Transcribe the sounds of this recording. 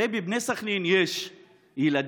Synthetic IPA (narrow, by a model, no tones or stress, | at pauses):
ebibnesaχninjeʃ | jilad̪